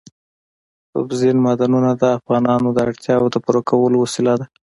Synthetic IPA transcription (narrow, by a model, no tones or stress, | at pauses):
to̰bzinmɑd̪anunad̪əafɣɑnɑnod̪əaɽt̪jɑwod̪əpəɾokawəlowasɪlad̪a